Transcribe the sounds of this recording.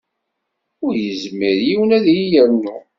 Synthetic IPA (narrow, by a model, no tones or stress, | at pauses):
ʊɾjəzmːiɾjiwənæðjijænːu